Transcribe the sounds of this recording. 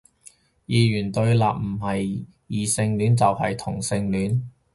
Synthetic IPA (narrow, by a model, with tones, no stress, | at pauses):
jiː˨jyː˨˩nt̪ɵ˧ɥlaː˨p̚m̩˨˩hɐ˨j | jiː˨˩sɪ˧ŋlyː˨˥nt͡sɐ˨whɐ̰˨jt̪ʰʊ˨˩ŋsɪ˧ŋlyː˨˥n